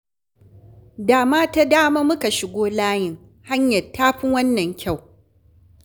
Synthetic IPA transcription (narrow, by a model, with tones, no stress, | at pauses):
daː˨maː˦ta˦daː˦maː˦mʊ˦ka˨ʃɪ˨ɡʷoː˦laː˦jɪ˨ŋ | ha˦ɲjɐ˨tːaː˦ɸɪ˦wɐ˦nːɐ˨ŋkʲa˦˨w